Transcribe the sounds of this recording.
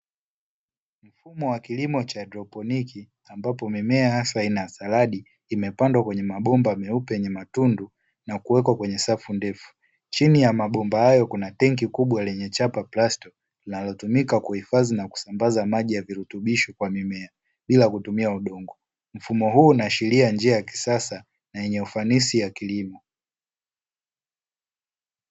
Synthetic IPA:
m̩fumɔwakilimɔt͡ʃadɾɔpɔnikʰi | ambapɔmimɛahaswainasalaɗiː | mɛpandwakwɛɲɛmaɓɔmbamɛupɛɛɲɛmatundu | nakuwɛkwakwɛɲɛsafundɛfu̥ | t͡ʃinijamaɓɔmbahajɔkunatɛŋkikuɓwalɛɲɛt͡ʃapaplastɔ | linalɔtumikakuhifazinaku̥sambazamaʄijaviɾutuɓiʃɔkwamimɛa | ɓilakutumiauɗɔŋɡɔ | m̩fumɔɦuːnaʃiliand͡ʒiajaki̥sasa | najɛɲɛufanisijakilimɔ

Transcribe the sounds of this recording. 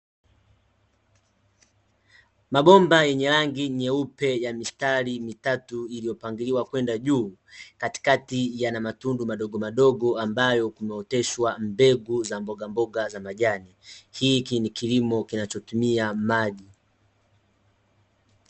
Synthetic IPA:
maɓɔmbajɛɲɛɾaŋɡiɲɛupɛjamistalimitatuilijɔpaŋɡiliwakwɛndaʄuː | kati̥katijanamatundumaɗɔɡɔmaɗɔɡɔambajɔkumɛɔtɛʃwambɛɡuzambɔɡambɔɡazamaʄanihiːkinikilimɔkinat͡ʃɔtumiamaʄi

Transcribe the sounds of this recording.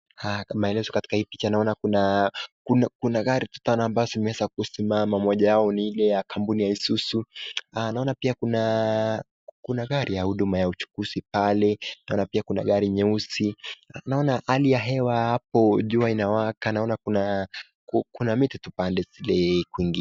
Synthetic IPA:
hamaɛlɛzɔkati̥kahipit͡ʃanaɔnakunakunakunaɠaɾitu̥tanaːmbaɔzimɛwɛzak̚usimamamɔʄajaɔniilɛjakampunijaisusuanaɔnapiakuna | kunaɠaɾijahuɗumajaut͡ʃu̥kuzipalɛnaɔnapiakuna̰ɠaɾiɲɛusinaɔnaʔalijaɦɛwahap̚ɔʄuainawakanaɔnakuna | kukunamititupandɛzilɛkwiŋɡi

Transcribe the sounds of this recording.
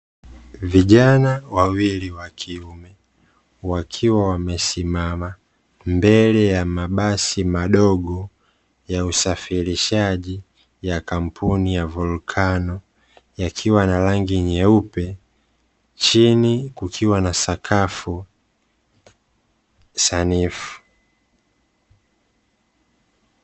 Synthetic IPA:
viʄanawawiliwakʰiumɛ | wakʰiwawamɛsimama | mbɛlɛjamaɓasimaɗɔɠɔ | jausafiliʃaʄi | jakam̩pʰunijavulkʰanɔ | jakʰiwanalaŋɡiɲɛupɛ | t͡ʃinikukʰiwanasakʰafu | sanifu̥

